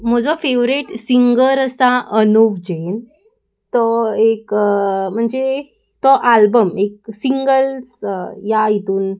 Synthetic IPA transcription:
m̤ɔd͡zɔfeʋɾeʈsiŋɡəɾəsaʔənoʋd͡ʑen | t̪ɔekm̤əɳd͡ze | t̪ɔʔalbəmek̚siŋɡəlsjait̪uːn

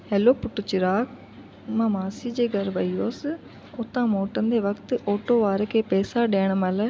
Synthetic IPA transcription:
hɛːloːpʊʈːʊt͡ʃɪɾaːk | mãːmaːsiːd͡ʒeːɡəɾʋaːiːoːs | ʊt̪ːãːmoːʈənd̪eːʋəkt̪oːʈoːʋaːɾkeːpɛːsaːɖɛːɳ̃məlː

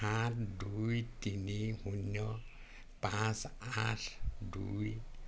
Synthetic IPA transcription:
atʰdujtinihunjɔ | pãsatʰdṵj

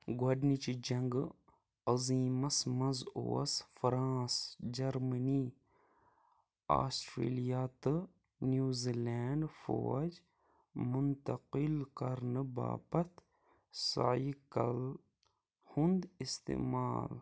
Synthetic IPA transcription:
ɡwɐɖnit͡ʃid͡ʒɐŋɡ | ɐziːmɐsmɐzo̰ːɐ̰sfɾãːsd͡ʒɐɾməniː | a̰ːsʈɾḛːlijaːt̪ɨ | njuːzilɛːɳɖfo̰ːd͡ʒ | mʊnt̪ɐqɪlkɐɾnɨba̰ːpɐt̪ | sa̰ikɐl | hʊnd̪ist̪ḛːmaːl

